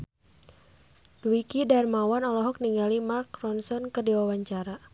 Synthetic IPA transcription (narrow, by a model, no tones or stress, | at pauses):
d̥uikidarmawanɔlɔɦɔk̚niŋɡalimarkrɔnsɔnkərdiwawaɲt͡ʃaɾa